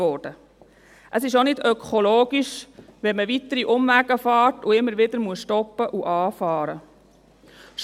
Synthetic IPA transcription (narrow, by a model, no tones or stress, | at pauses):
ɔːd̥ə | ʔəsɪʃonɪdœkʰɔloːɡiʃʋɛnməʋit̪ːəɾiʔʊmvæɡ̥əfɑːtʊɪmːəɾʋɪd̪əɾmuəsʃtɔpːəʔuʔɑːfɑːɾə | ʃ